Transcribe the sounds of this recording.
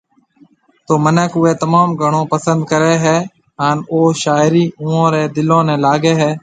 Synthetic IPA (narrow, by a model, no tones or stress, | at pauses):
t̪oːmənəkʊeːt̪əmaːmɡʱəɳ̃õːpəsə̃nd̪̚kəɾeːɦɛː | ɦaːnoːʃaːɪɾiːũːõːɾeːd̪ɪlõːnẽːlaːɡeːɦɛː